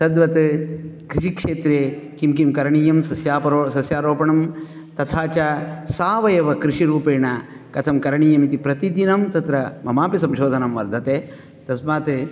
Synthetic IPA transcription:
sɐd̪ʋɐt̪kɾiʃikʂeːt̪ɾeːkimkimkɐɾɐɳiːjɐmsɐsjaːpɐɾosɐsjaːɾoːpɐɳɐm | t̪ɐt̪ʰaːt͡ʃɐsaːʋɐjɐʋɐkɾiʃiɾuːpeːɳɐ | kɐt̪ʰɐmkɐɾɐɳiːjɐmit̪ipɾɐt̪id̪inɐmt̪ɐt̪ɾɐmɐmaːpisɐmʃoːd̪ʱɐnɐmʋɐɾd̪ʱɐt̪eː | t̪ɐsmaːt̪

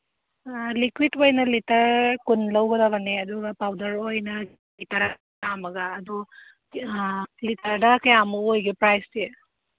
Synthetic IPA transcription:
likwidojnɐlitɐɾkunlɐwɡɐdaɡɐneɐduɡɐpawdɐɾojnɐ | itɐɾa | amɐɡɐːdɔ | litɐɾdɐkɐjamuojɡipɾajse

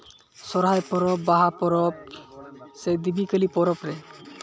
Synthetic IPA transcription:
sɔɾɦajpɔɾɔpbaɦapɔɾɔp̚ | sed̪ibikəlipɔɾɔpɾɛ

